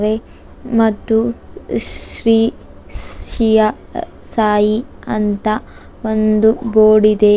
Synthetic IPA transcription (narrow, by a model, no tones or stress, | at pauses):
ʋe | mɐt̪ːu | ɾiː | ʃijɐ | saːji | ɐnt̪ɐ | ond̪uboːɽid̪e